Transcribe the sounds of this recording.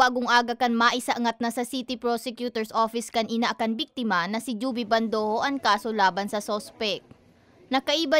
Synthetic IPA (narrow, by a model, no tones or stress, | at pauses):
aːɡʊŋʔaːɡɐkɐnmaʔɪsɐʔɐŋat̪̚nɐsɐsit̪ɪpɾosɛkjut̪ɛɹsʔoːfɪskɐnʔɪnaʔɐkɐnbik̚t̪ɪmɐnɐsɪd͡ʒuːbɪbɐnd̪oːhoʔɐŋkaːsolaːbɐnsɐsoːspɛk̚ | nɐkɐʔiːbɐ